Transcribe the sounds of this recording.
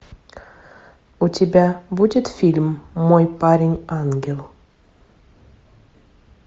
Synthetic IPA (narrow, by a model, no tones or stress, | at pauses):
ut̪ʲebʲæbudʲet̪fʲilʲmːojpaɾʲɪnʲaŋɡʲelˠ